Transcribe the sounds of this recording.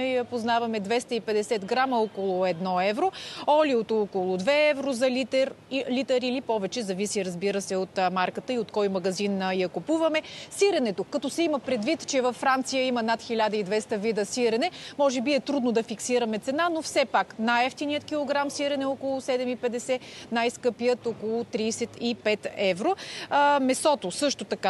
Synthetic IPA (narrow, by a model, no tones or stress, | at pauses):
ɛjɐpoznavɐmɛd̪vɛst̪əipɛd̪ɛsɛd̪ɡɾaməɔkolˠʊɛd̪nɔɛvɾoɔliot̪ɔkolˠʊd̪vɛɛvɾozɐlit̪ɛɾlit̪ɐɾilipɔvɛt͡ʃɛzɐvisiɾɐzbiɾəsɛot̪maɾkət̪əiot̪kɔjmɐɡɐzinjɐkopuvɐmɛsiɾɛnɛt̪okɐt̪ɔsɛiməpɾɛd̪vit̪t͡ʃɛvɐfːɾant̪sijəimənat̪xʲilʲad̪əid̪vɛst̪əvid̪əsiɾɛnɛmɔʒɛbiɛt̪ɾud̪nod̪ɐfiksiɾəmɛt̪sɛnanofsɛpaknajɛft̪inijət̪kʲilˠoɡɾamsiɾɛnɛɔkolˠʊsɛd̪ɛmipɛd̪ɛsɛnajskɤpijət̪ɔkolˠʊt̪ɾiːsɛt̪ipɛt̪ɛvɾomɛsɔt̪osɤʃt̪ot̪ɐka